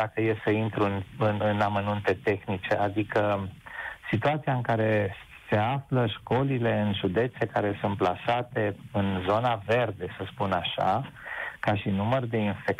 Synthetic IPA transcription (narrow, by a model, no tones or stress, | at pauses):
d̪akəje̞səint̪ɾuɨnɨnɨnamənunt̪e̞t̪e̞xnit͡ʃe̞ʔad̪ikə | sit̪uat̪siaɨŋkaɾe̞ | se̞afləʃko̞lile̞ɨnʒud̪e̞t̪se̞kaɾe̞sunt̪̚plasat̪e̞ɨnzo̞nave̞rd̪e̞səspunaʃa̰kaʃinumərd̪e̞infe̞k